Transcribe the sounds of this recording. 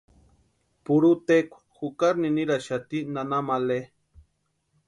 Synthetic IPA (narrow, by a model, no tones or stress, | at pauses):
puɾut̪ekʷḁxukaɾniniɾaʃat̪inanamale